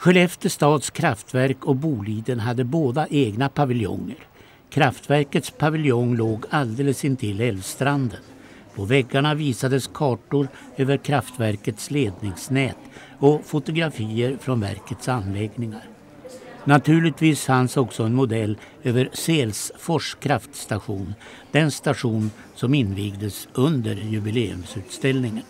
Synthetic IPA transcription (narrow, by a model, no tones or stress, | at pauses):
ɧɛlɛft̪əʂt̪ɑːd̪skʰɾaft̪væɾkɔbuːliːd̪ənɦad̪ːəboːd̪aʔeːɡnapʰavɪljɔ̰ŋːə̰ɾ | kʰɾaft̪væɾkət̪spʰavɪljɔŋloːɡald̪eːləsɪnt̪ʰɪlɛlvst̪ɾand̪ən | pʰɔvɛɡːaɳaviːsad̪əskʰɑːʈʊɾ | øːvəɾkʰɾaft̪væɾkət̪sleːd̪nɪŋsnɛːt̪ | ɔfʊt̪ʊɡɾafiːəɾfɾɔnvæ̰ɾkət̪sanːlɛɡnɪŋaɾ | nat̪ʰʉ̟ːɭɪt̪viːshansɔksɔɛnmʊd̪ɛlː | øːvəɾseːlsfɔʂkʰɾaft̪st̪aɧuːn | d̪̥ɛnst̪aɧuːn | sɔmɪnːviːɡd̪əsʔɵnd̪əɾjɵbɪleːɵ̰msʉ̟ːt̪st̪ɛlnɪŋən